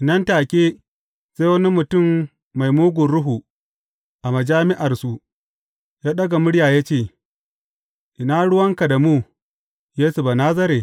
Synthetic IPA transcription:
ʔɪ˨nɐ˦ntaː˨kʲeː˦ | seː˦wɐ˦ni˦mʊ˨tʊ˦˨mː | a˨jmuː˦ɡʷʊ˨ɽʊ˦ɦu˨ | ʔa˨mɐ˨d͡ʒaː˦mɪ˦ʔa˨rsu˦ | jaː˦ɗɐ˦ɡa˨mʊ˦ɽɪ˦jaː˨ja˦t͡ʃeː˦˨ | ʔɪ˨naː˦ɽʊ˦wɐ˦ŋka˨da˨muː˦˨ | jeː˦su˨baː˨naː˦zɐ˦ɾeː˨

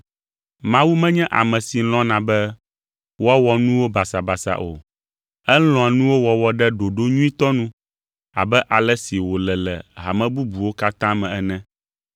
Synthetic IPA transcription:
mã˦wu˦mɛ̃˦ɲɛ̃˦ʔa̰˨mɛ̃˨si˨˦l̃ɔ̃˦nã˨bɛ˦ | wɔ˦a˦wɔ˨nũ˦wo˦ba˨sa˨ba˨sa̰˨ʔo̰˨ | ɛ˦lɔ̃˨a˨nũ˦wo˦wɔ˨wɔ˨ɖɛ˦ɖo˨ɖo˦ɲũ˦ĩ˦t̪ɔ˦nũ˦ | a̰˨bɛ˦ʔa˨lɛ˦si˨wo˨lɛ˨lɛ̰˨ɦa̰˨mɛ̃˦bu˦bu˨wo˦ka˦t̪ã˦mɛ̃˨ɛ˦nɛ̃˦

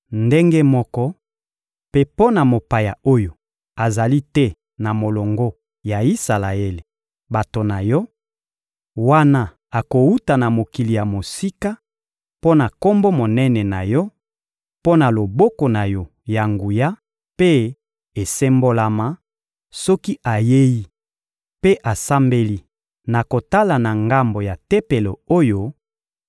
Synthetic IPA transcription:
nde˦ŋɡe˦mɔ˦kɔ˦ | pe˦po˦na˨mo˨pa˨ja˨o˦jo˨ | a˨za˨li˦tɛ˦ | na˨mo˨lo˨ŋɡo˦ | ja˨i˦sa˨la˨e˦le˨ | ba˨to˨na˨jɔ˦ | wa˦na˦ | a˨ko˨wu˦ta˨na˨mo˨ki˨li˨ja˨mo˨si˦ka˦ | po˦na˨ko˦mbo˦mo˨nɛ˦nɛ˨na˨jɔ˦ | po˦na˨lo˨bɔ˦ko˨na˨jɔ˦ | ja˨ŋɡu˨ja˦ | pe˦ | e˨se˦mbo˦la˦ma˦ | sɔ˦ki˦ʔa˨je˦ji˦ | pe˦ʔa˨sa˦mbe˦li˦ | na˨ko˨ta˦la˨na˨ŋɡa˦mbo˨ja˨tɛ˦pe˨lo˨o˦jo˦

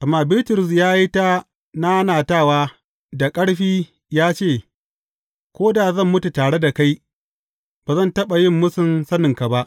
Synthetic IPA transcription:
ʔa˨mːaː˨bɪ˦tʊ˨ɾʊ˨s̬jaː˦ji˦ta˦ | na˦naː˨taː˦˨waː˦ | da˨kʼɐ˦ɽɸiː˦ | jaː˦t͡ʃeː˦˨ | kʷoː˦da˨zɐ˦˨mːʊ˦tu˨taː˨ɽe˦da˨ka˦j | b̥aː˨zɐ˦ntɐ˦ɓa˨jɪ˦mːʊ˦sʊ˨nsɐ˦nɪ˨ŋka˨ba˦ʔ

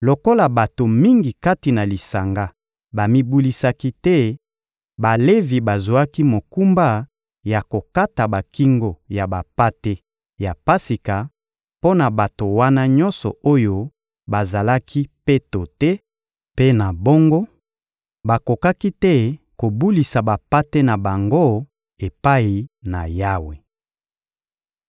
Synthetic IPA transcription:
lo˨ko˦la˨ba˨to˨mi˦ŋɡi˨ka˦ti˨na˨li˨sa˨ŋɡa˦ | ba˨mi˦bu˦li˦sa˦ki˦tɛ˦ | ba˨le˦vi˨ba˨zwa˦ki˦mo˨ku˦mba˦ | ja˨ko˨ka˦ta˨ba˨ki˦ŋɡo˨ja˨ba˨pa˦te˦ | ja˨pa˦si˨ka˨ | po˦na˨ba˨to˨wa˦na˦ɲɔ˦nsɔ̰˨o˦jo˦ | ba˨za˨la˦kʰi˦pe˦to˨tɛ˦ | pe˦na˨bo˦ŋɡo˦ | ba˨ko˨ka˦ki˦tɛ˦ | ko˨bu˦li˨sa˨ba˨pa˦te˦na˨ba˨ŋɡo˦ | e˨pa˦i˨na˨ja˦we˨

